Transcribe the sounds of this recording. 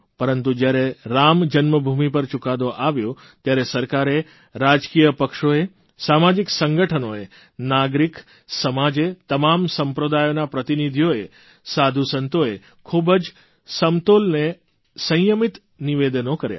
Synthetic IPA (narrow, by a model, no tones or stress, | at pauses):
pəɾənt̪ud͡ʒjaɾeɾamd͡ʒənməbʱumipəɾt͡ʃʊkad̪oʔaʋjo | t̪jaɾesəɾkaɾe | ɾad͡ʒkijəpəkʃoe | samad͡ʒiksəŋɡəʈʰənoe | naɡɾik | səmad͡ʒet̪əmamsəmpɾəd̪ajonapɾət̪inid̪ʱijoe | sad̪ʱusənt̪oe | kʰubəd͡ʒ | səmt̪olne | sə̃jəmit̪ | niʋed̪ənokəɾja̰